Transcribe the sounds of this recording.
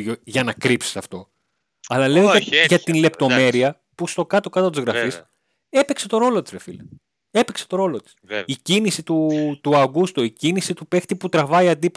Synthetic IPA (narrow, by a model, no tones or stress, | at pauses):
ʝoʝɐnɐkɾipse̥sɐft̪o̞ | ɐlɐleoʝɐt̪inle̞pt̪o̞me̞ɾiɐ | pust̪o̞kɐt̪o̞kɐt̪ɐt̪izɣɾɐfis | e̞pe̞kse̞t̪o̞ɾo̞lo̞t̪i̥sɾefilɐ | e̞pekse̞̥t̪o̞ɾo̞lo̞t̪i̥sicinisit̪ut̪uɐɡust̪uicinisit̪upe̞xt̪iput̪ɾɐvɐiɐnd̪ip